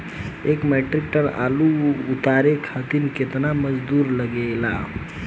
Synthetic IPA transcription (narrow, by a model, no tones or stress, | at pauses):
ekmeʈɾik̚ʈəɳa̰luːt̪aɾekʰat̪inket̪naməd͡ʒd̪uɾləɡela̰